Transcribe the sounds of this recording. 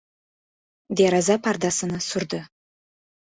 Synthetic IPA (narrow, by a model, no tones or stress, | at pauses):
d̪eɾɑzɑpʰɑrd̪ɑsənɑsʊɾd̪ə